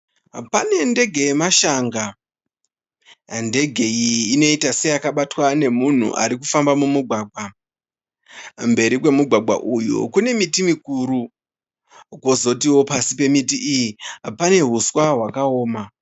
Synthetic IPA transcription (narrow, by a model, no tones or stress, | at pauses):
pane̞nde̞ɡʱe̞jmaʃaŋɡa | nde̞ɡʱe̞ijiːno̞itase̞jakaɓatwane̞mun̤ṵʔa̰ɾik̬ufambamumuɡʱwaːɡʱwa | mbe̞ɾikwe̞muɡʱwaɡʱwa̰ʔujṵkune̞mitimikuɾu | kwozo̞tiwo̞pasipe̞mitiʔijipane̞ɦuswaɦwakao̞ːma